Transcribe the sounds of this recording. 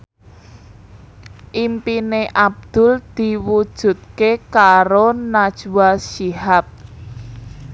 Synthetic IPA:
ʔimpineʔab̚d̪̥ʊ̤ld̪̥i̤wud̥ʒ̥ṳt̪̚kekaɾonad̥ʒ̥uwasiɦap̚

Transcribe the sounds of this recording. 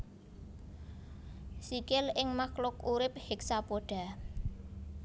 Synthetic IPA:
sikɪlɪŋmaklʊkuɾɪp̚heksapoɖ̥a̤

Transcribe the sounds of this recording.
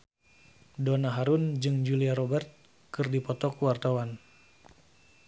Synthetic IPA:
donaɦaɾund͡ʒɨŋd͡ʒuliaɾɔbɛrt̪̚ | kɨrdipɔt̪ɔkuwart̪awan

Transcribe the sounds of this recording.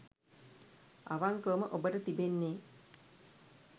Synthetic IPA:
a̰ʋaŋkəːməʔobəʈət̪ibenːeː

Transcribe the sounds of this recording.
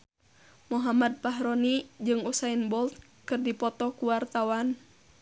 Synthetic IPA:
muɦamad̪̚paɦɾɔnid͡ʒɨŋusainbɔlt̪̚ | kɨrdipɔt̪ɔkuwart̪awan

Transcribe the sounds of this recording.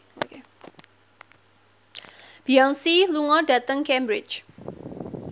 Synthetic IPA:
oke | b̥iaŋsiluŋɔɖä̤t̪əŋkɛmbɾɪt͡ʃ

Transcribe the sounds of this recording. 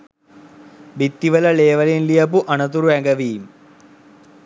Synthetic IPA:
bit̪ːiʋɐlɐleːʋɐlinlijɐp̬uʔɐnɐt̪̬uɾuɛŋɡɐʋiːm

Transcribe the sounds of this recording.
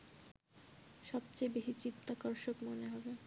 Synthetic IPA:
ʃɔb̚t͡ɕejbeɦit͡ɕit̪ʰːakɔɾʃokmoneɦɔbe

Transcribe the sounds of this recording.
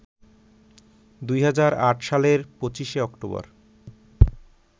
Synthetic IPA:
d̪ujɦad͡ʑaɾaʈʃaleɾpot͡ɕiʃeɔkʈobɔ̰ɾ

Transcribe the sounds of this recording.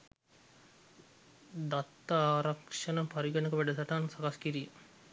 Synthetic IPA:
d̪at̪ːaaːɾɐkʂɐnɐpaɾiɡɐnəkəʋæɖəsaʈansakaskiɾiː

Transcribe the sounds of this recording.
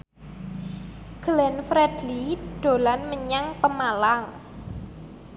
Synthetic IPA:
ɡ̥əlɛnfɾɛd̥liɖ̪̥o̤lanməɲaŋpəmalaŋ

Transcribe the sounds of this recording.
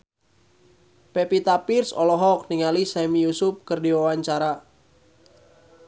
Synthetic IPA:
pepit̪apirsɔlɔɦɔk̚niŋalisamijusʊp̚kɨrdiwawaɲt͡ʃaɾa

